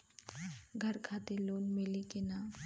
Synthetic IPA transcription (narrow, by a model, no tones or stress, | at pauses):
ɡʱəɾkʰat̪eloːnmelikena